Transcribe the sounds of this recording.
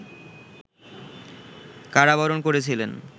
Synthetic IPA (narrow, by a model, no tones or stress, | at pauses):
kaɽabɔɾonkoɾet͡ɕʰilen